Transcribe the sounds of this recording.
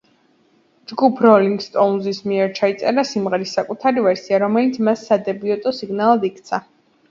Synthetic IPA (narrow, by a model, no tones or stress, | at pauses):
d͡ʒɡupʰɾɔliŋɡst̪ʼɔunzismiɛɾt͡ʃʰait̪sʼɛɾasimʁɛɾisːakʼut̪ʰaɾivɛɾsiaɾɔmɛlit̪sʰmasːad̪ɛbiɔt̪ʼɔsiɡnalˠad̪ikʰt̪sʰa